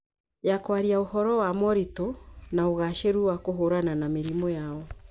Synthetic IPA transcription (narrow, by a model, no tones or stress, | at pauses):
jakwaɾiaohɔɾɔwamɔɾitonaoɣaʃeɾuwakoɦoɾananameɾimɔjaɔ